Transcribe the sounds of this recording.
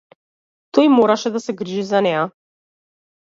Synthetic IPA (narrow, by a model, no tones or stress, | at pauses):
t̪ɔjmɔɾaʃɛd̪asɛɡɾiʒizanɛja